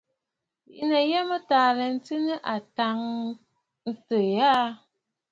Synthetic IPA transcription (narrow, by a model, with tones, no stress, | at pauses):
ḭ˦nə˨jɛ˦mə˦taː˨lɛ˨n̩˦ti˦nə˦ʔa˨ta˨˦ŋ | n̩˦tə˨ja˦